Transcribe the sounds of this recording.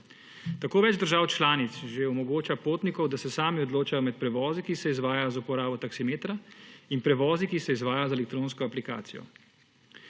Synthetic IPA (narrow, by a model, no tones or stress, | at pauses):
t̪akoːʋɛːd͡ʒd̪əɾʒaːwt͡ʃlaːnit̪sʒeɔmɔɡoːt͡ʃapoːt̪nikɔwd̪asɛsaːmiɔd̪loːt͡ʃajɔmɛt̪̚pɾɛʋɔːzikisɛizʋaːjajɔzaupɔɾaːbɔt̪aksimeːt̪ɾainpɾɛʋɔːzikisɛizʋaːjajɔzɛlɛk̚t̪ɾoːnskɔaplika̰ːt̪sijɔ̰